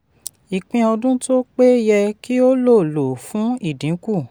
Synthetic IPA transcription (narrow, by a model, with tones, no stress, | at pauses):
i˨k͡pĩ˧ɔ˧dũ˦to˦k͡pe˦jɛ˧ki˦o˦lo˦˨lo˨fũ˨˦i˦˨dĩ˨˦ku˦˨